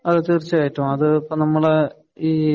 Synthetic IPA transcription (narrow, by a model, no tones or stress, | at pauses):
ɐðɨt̪irt͡ɕːɐkɐjitːumɐðɨpːɐnɐmːɐɭe | iː